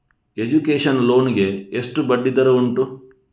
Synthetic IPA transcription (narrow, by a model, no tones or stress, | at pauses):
e̞d͡ʒukeːʃɐnlo̞ːniɡe̞ːsʈubɐɖːid̪ɐɾɐuɳʈu